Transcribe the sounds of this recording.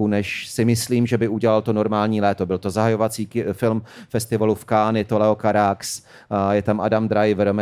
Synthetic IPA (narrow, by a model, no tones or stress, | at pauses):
unɛʃsɪmɪsliːmʒɛbɪʔuɟɛlalt̪ono̞ɾmaːlɲiːlɛːt̪o̞bɪlt̪ozaɦajo̞vat͡siːfɪlmfɛst̪ɪvalufkaːnɪt̪olɛokaɾaks | jɛt̪amʔadamd̪ɾajvɾomɛ